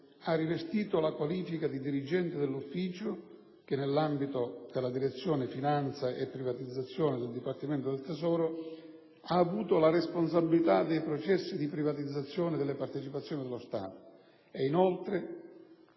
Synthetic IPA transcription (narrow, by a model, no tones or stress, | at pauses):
arːivest̪iːt̪olakwaliːfikad̪id̪iɾid͡ʒɛnt̪ɪd̪ɪlːufːiːt͡ʃʊ | k̟ɪnːelːambit̪od̪ɪlːad̪iɾet̪sːjɔːnɪfinant̪saʔepːɾivat̪id̪zːat̪sːjɔːnɪd̪ɪld̪ipart̪iment̪od̪elt̪ezɔːɾo | aːvuːt̪ʊlarespons̬abilit̪ad̪ejpɾɔt͡ʃɛsːid̪ipɾivat̪id̪zːat̪sːjɔːnɪd̪elːɪpart̪et͡ʃipat̪sjɔːnɪid̪ɪlːost̪a̰ːt̪o̥ | einolt̪ɾɪ